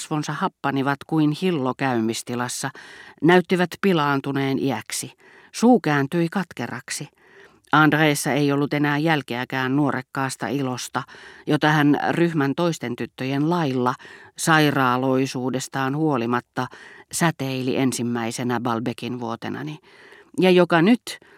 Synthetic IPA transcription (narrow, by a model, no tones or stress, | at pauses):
sʋonsɑhɑpːɑniʋɑt̪kuinhilːokæymːist̪ilɑsːɑnæyt̪ːiʋæt̪pilɑːnt̪uneːnʔiæksi | suːkæːnt̪yikɑt̪kerɑ̰ksi | ʔɑndreːsːɑeijolːut̪enæːjjælkeækæːnnuorekːɑːst̪ɑ̰ʔilost̪ɑjot̪ɑhænryhmænt̪oist̪ent̪yt̪ːøjenlɑilːɑsɑirɑːloisuːdest̪ɑːnhuolimɑt̪ːɑsæt̪eilḭʔensimːæisenæbɑlbekinʋuot̪enɑ̰ni | jɑjokɑnyt̪